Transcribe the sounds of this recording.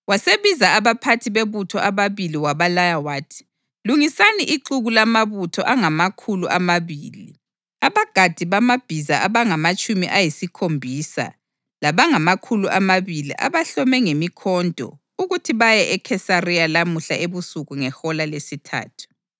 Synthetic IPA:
waseβizaːβapʰatʰiβeβutʰɔʔaβaβiliwaβalajawaːtʰi̥ | luŋisaniʔiǃuɣulamaβutʰɔʔaŋamakʰuluʔamaβiːli | aβaɡ̥ʱad̥ʱiβamab̥ʱizaaβaŋamat͡ʃʼumiʔajisikʰombʱisa̰ | laβaŋamakʰuluʔamaβilḭʔa̰βaɬɔmɛŋemikʰɔndʱɔ̰ | uɣutʰiβajɛʔɛkʰɛsarijalamuɬaeβusuɣuŋɛxɔlalesitʰa̰ːtʰu̥

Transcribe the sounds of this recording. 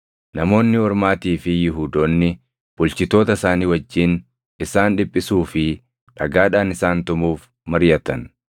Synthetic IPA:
nɐmo̞ːnːɪɔɾmaːt̪iːfɪjɪɦuːd̪oːnːɪ | b̥ʊlt͡ʃɪt̪o̞ːt̪ɐsaːniːwɐd͡ʒːɪːn | ɪsaːnᶑɪpʼːɪsuːfɪ | ᶑɐ̰ɡaːᶑaːnɪsaːnt̪ʊmuːf | mɐɾjɐt̪ɐn

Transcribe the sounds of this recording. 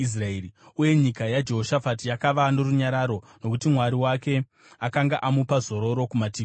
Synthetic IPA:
is̬raeriuje̞ɲikajad͡ʒe̞ɦoʃafatijakaʋano̞ruɲaɾaɾo̞ | no̞kutimwaɾiwake̞ | akaŋɡaʔamupazo̞ɾo̞ɾo̞kumatiː

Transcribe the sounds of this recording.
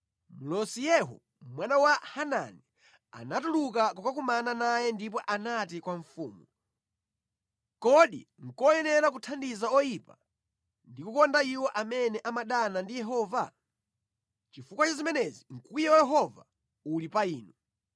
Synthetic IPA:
mulɔsijɛɦɔ̰ | mwanawahana̰ni | a̰natuluk̬akukak̬umananajɛndip̬ɔʔanatikwaɱfṵːmu | kɔɗḭŋ̩kɔjɛnɛɾak̬utʰandizaɔjipa | ndikukɔndaiwɔʔamɛnɛʔamaɗanandijɛɦɔːva | t͡ʃifukwat͡ʃazimɛnɛziŋ̩kujɛwjɛɦɔva̰ | ulipaiːnu

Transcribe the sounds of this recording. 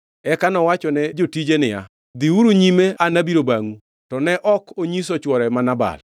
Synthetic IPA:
ɛkanɔwat͡ʃɔnɛd͡ʒotid͡ʒenɪja̰ | d̪iuɾuɲimeanabiɾobaŋu | tɔnɛʔɔkʰoɲisɔt͡ʃwɔɾɛmanaba̰l

